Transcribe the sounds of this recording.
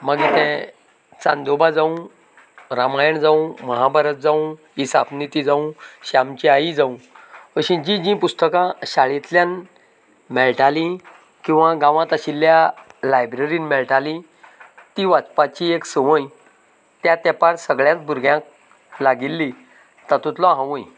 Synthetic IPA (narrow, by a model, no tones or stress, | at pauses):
məɡit̪ɛ̃ | t͡sãnd̪obad͡zaũ | ɾamajəɳd͡zaũməɦabaɾət̪̚d͡zaũ | isapnit̪id͡zaũɕamt͡ɕiaid͡zaũʋəɕĩd͡ʑĩd͡ʑĩpust̪əkãɕaɭit̪ljãn | mɛɭʈalĩ | kĩw̃ʋaɡãʋãt̪aɕilːjalajbɾeɾinmɛɭʈalĩ | t̪iʋat͡spat͡ɕieksəʋə̃j | t̪jat̪apaɽsəɡɭjãt͡sbʱuɾɡjãk̚ | laɡilːi | t̪at̪ut̪lɔ̃ɦãʋũj